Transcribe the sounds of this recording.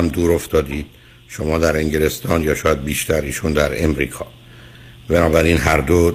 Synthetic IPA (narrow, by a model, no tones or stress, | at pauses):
æmd̪uːɾoft̪ɒːd̪iːd̪̥̚ | ʃo̞mɒːd̪æɾe̞ŋɟele̞st̪ʰɒːnjɒːʃɒːjæd̪̚biːʃt̪ʰæɾiːʃuːnd̪æɾe̞mɾḭːkʰɒ̰ː | benɒːbæɾiːnɦæɾd̪o